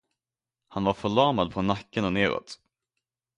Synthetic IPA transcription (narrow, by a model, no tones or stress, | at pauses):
hanvaɾfœɭɑːmad̪̚pʰɔnakːənɔneːɾɔ̰t̪